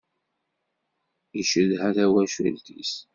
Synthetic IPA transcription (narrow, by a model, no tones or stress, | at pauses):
iʃəðhæθæwæʃæ̰lt̪ḭs